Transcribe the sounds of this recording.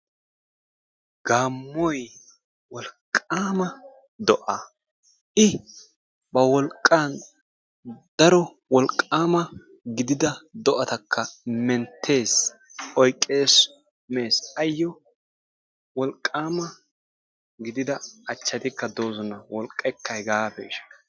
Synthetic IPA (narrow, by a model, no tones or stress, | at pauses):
ɡ̥aːmːɔj | wɔlkʼːaːmɐ | d̪ɔʔɐ | ʔɪ | bɐwɔlkʼːaːn | d̪̥ɐɾɔ | wɔlkʼːaːmɐ | ɡɪd̪ɪd̪ɐd̪ɔʔɐt̪ɐkʰːɐmɛnt̪ʰːe̞ːs | ɔjkʼːe̞ːs | me̞ːsɐjːɔ | wɔlkʼːaːmɐ | ɡɪd̪ɪd̪ɐːt͡ʃːɐt̪ɪkːɐd̪oːzɔnɐwɔlkʼːɛkʰːɐjɡaːfɛɪʃɐ̥